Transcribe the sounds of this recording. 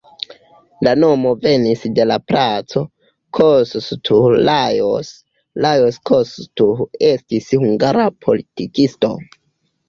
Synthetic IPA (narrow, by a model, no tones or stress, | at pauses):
lano̞mo̞ve̞nisde̞lapɾat͡so̞ | kʰosstʰulajos | lajoskʰostue̞stishuŋɡaɾapʰo̞̰litikisto̞̰